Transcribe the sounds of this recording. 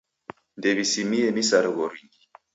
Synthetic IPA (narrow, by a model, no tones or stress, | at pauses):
ndeβisimienisaɾβoɾiŋɡi